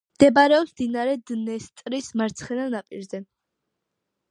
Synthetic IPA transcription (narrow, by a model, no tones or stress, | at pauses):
md̪̥ɛbaɾɛɔpsmd̪inaɾɛd̪nɛst̪ʼɾismaɾt̪sʰχɛnanapʼḭɾzɛ